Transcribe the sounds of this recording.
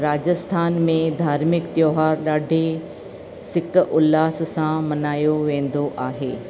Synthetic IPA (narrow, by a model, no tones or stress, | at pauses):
ɾaːd͡ʑəst̪ʰaːnmẽd̪ʱaːɾmɪkt̪joːɦaːɾɗaːɖʱe | sɪkʊlːaːssãmɐnaːjoʋẽːn̆d̪oʔaːɦeː